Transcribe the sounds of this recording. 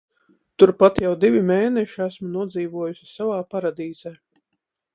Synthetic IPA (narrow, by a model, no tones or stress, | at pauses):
t̪uɾpat̪jawd̪ivʲimeːnɛʃiæsmunuɔd̪ziːʋuɔjusʲi̥savaːpaɾad̪iːz̥ɛː